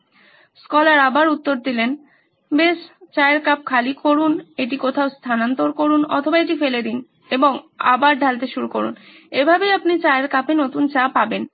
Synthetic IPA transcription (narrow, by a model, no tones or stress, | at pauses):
skɔlaɾabaɾut̪ːoɾd̪ilen | beʃt͡ɕaeɾkap̚kʰalikoɾuneʈikot̪ʰaost̪ʰanant̪oɾkoɾunɔ̰t̪ʰobaeʈifeled̪in | eboŋa̰baɾd̪ʱalt̪eʃuɾukoɾṵn | ebʱabejapnit͡ɕaeɾkapenot̪unt͡ɕapaben